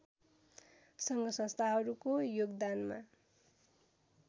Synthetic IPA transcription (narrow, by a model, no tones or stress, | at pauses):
sʌŋɡʌsʌ̃nst̪ʰaɦʌɾukojoɡd̪anma̰